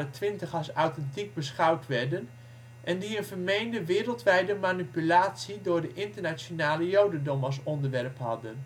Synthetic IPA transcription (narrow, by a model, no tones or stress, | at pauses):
ətʋɪntəχɑsawtɛntik̚bəsχʌwtʋɛɹdən | ʔɛndiənvərmejndəʋɪːɾəlˠtʋɛjdəmanipylaːtsidʊːɹdəʔɪntərnat͡ʃjonaːləjowdəndɔməs̬ɔndəɹʋɛrpɦɑdən